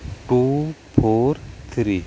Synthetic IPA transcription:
ʈupʰoːɾt̪ʰɾi

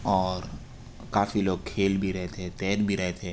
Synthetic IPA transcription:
ɔːɾ | kaːfiloːɡ̚kʰeːlbʱiɾɛɦet̪eɦɛ̃t̪ɛːd̪bʱiɾɛɦet̪eɦɛ

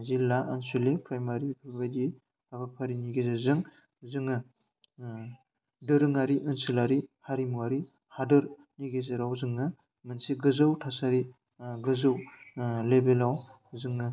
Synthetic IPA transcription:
zilaʔansulepɾajmaɾipʰubadi | abapʰaɾiniɡezazɯŋ | zɯŋɯ | dɯɾɯŋaɾiʔɯnsilaɾihaɾimuaɾi | hadɯɾ | niɡezeɾawzɯŋɯ | mɯnsiɡɯzɯwtʰasaɾi | ɡɯzɯwlebelaw | zɯŋɯ

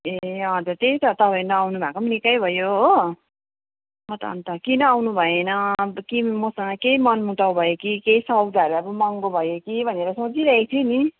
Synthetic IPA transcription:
eʌd͡zʌɾt̪eit̪ʌt̪ʌpaj̃nʌawnubʱakomnikajbʱʌjoɦo | mʌt̪ːnt̪ʌkinʌːwnubʱʌenʌkimʌsʌŋɡʌkejmʌnmuʈaw̃bʱʌjokikeisʌɡd̪ʱaɾabʌmʌŋɡobʱʌjokibʱʌneɾʌsot͡siɾʌekt̪ʰini

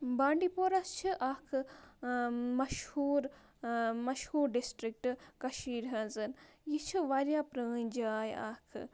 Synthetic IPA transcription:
baːɳɖipoːɾɐst͡ʃʰiʔaːkʰɨ | mɐʃhuːɾ | mɐʃhuːɾɖisʈɾik̚ʈkɐʃiːɾɦɐnzɨnjit͡ʃʰiʋaːɾjaːpɾɐːɲʲd͡ʒaːja̰ːkʰɨ̰

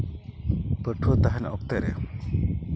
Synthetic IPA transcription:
pəʈʰuot̪aɦɛnɔ̰k̚t̪ɛɾɛ̰

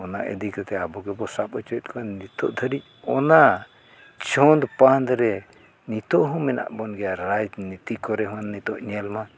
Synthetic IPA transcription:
ɔnaʔɛ̰d̪ikat̪ɛabɔɡɛbɔsapɔt͡ʃɔt̪̚kʰɔɛnit̪ɔ̰ʔd̪ʱəɾic̚ɔna | t͡ʃʰɔnd̪pand̪ɾɛ | nit̪ɔʔɦɔ̃mɛna̰ʔbɔnɡɛjaɾajd͡ʒnit̪ikɔɾɛɦɔ̃nːit̪ɔʔɲɛlma

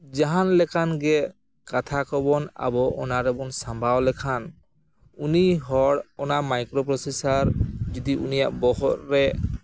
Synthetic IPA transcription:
d͡ʒaɦanlɛkʰanɡɛ | kat̪ʰakɔbɔna̰bɔɔ̰naɾɛbɔnsambʱawlɛkʰan | uniɦɔɽɔnamajkɾɔpɾɔsesaɾd͡ʒɔd̪iʔṵnija̰ʔbɔhɔt̚ɾɛ

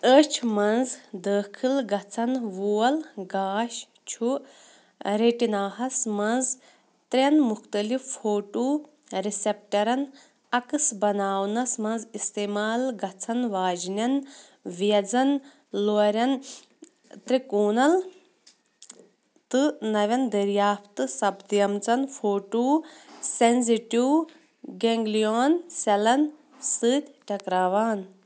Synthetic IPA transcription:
əːt͡ʃʰmɐnzd̪əːkʰilɡɐt͡sʰɐnʋuːɐlɡaːʃ | t͡ʃʰu | ɾeʈinaːɦɐsmɐ̃nz | t̪ɾʲɐnmuxt̪ɐlifːoːʈoː | ɾisep̚ʈɐɾɐn | ɐkɨsbɐnaːwnɐsmɐ̃nzist̪eːmaːlɡɐt͡sʰɐnʋaːd͡ʒnʲɐn | ʋijɐd͡zɐn | loɾʲɐn | t̪ɾikuːnɐl | t̪ɨnɐʋʲɐnd̪ɐɾjaːpt̪ɨsɐbd̪jɐmt͡sɐnfʰoːʈuːsenziʈiw | ɡeŋɡlijoːnsɐlɐn | sɨːt̪ʲʈɐkɾaːʋaːn

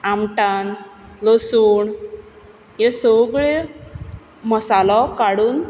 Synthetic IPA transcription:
amʈanlosuːɳ | jesəɡɭe | məsalɔkaɽuːn

